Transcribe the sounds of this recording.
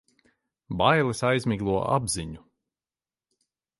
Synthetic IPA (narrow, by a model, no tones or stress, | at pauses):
bajlˠɨsajzmiɡlˠuɔʔa̰bziɲu